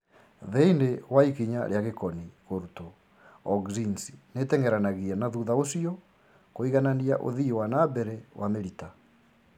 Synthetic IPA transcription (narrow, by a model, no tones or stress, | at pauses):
ðɛinewaikiɲa̰ɾjaɣekɔniɣoɾuto | ɔɡzinsi̥netɛŋɡɛɾanaɣiɛnaðuðaosiɔ | koiɣananiaʔo̰ðiwanabɛɾɛwameɾita